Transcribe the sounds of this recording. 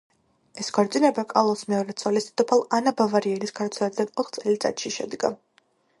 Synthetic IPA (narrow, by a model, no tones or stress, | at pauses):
ɛsɡɔɾt̪sʼinɛbakʼalˠɔsmɛɔɾɛt̪sʼɔlist̪t̪ʰʼɔpʰalˠanabavaɾiɛlisɡaɾt̪sʰɛnɛd̪d̪anɔt̪ʰχt̪sʼɛlit̪sʼa̰t̪ʃiʃɛ̰d̪ɡa̰